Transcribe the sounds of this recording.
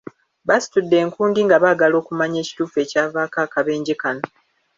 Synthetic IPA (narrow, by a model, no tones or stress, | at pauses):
βasi̥tudːe̞ːŋkuːndiŋɡaβaːɡalo̞ːkumaɲe̞ːci̥tuːfue̞caːvaːkaːkaβe̞ːɲɟekano